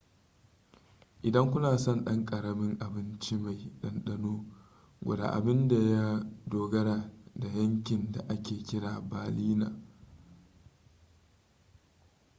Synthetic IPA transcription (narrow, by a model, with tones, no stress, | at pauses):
ʔɪ˨dɐ˦ŋkʷʊ˦naː˨sɔ˦˨nɗɐ˦ŋkʼɐ˨ɾɐ˨mɪ˦ŋʔa˨bɪ˦nt͡ʃi˦ma˨jɗɐ˦nɗɐ˦noː˦ | ɡʷɐ̰˨da̰ː˨ʔa̰˨bɪ˦nda˨ja˦doː˨ɡɐ˦ɽaː˨da˨jɐ˦ŋkʲɪ˨nda˨ʔa˦kʲeː˨kʲɪ˦ɽaː˨baː˨liː˦na̰ː˨